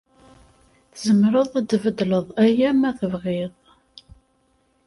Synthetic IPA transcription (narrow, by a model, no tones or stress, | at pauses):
θəzəmɾəðˤæd̪vəd̪ləðˤæjæmæθəvʁeðˤ